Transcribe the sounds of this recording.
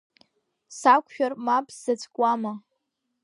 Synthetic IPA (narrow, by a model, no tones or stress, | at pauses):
sakʷʰʼʃᶣarmapʰʼzat͡sʰʼkʷʼama